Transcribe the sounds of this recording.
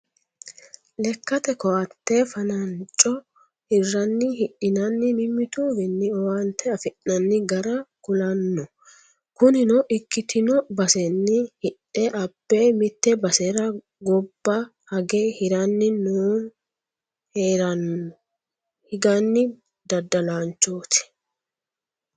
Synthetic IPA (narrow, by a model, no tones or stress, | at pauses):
lɛkːɐt̪ɛkɔʔɐt̪ːɛfɐnɐnt͡ʃʼːɔ | hɪrːɐnːɪhɪɗɪnɐnːɪmɪmːɪt̪uːvɛnːɪɔwɐnt̪ʰːɛɐfɪʔːɐnːɪɡɐɾɐɡ̥ʊlɐnːɔ | kʊnɪnɔʔɪkːɪt̪ʰɪnɔbɐsɛnːɪhɪᶑɛʔɐpːɛmɪt̪ːɛbɐsɛɾɐ | ɡɔbːɐ | hɐɡehɪɾɐnːɪnuːn | heːɾɐnːɔ | hɪɡɐnːɪ | d̪ɐd̪ːɐlaːnt͡ʃːoːt̪ɪ̥